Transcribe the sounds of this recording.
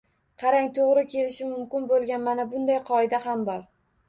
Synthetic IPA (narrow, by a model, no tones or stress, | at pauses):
qʰɑɾaŋt̪ʰoʁɾɪkʲʰe̞lɪʃɪmʊmkʲɪnbolˠɡʲanmanabʊnd̪ajqʰɒɪd̪ahambɒɾ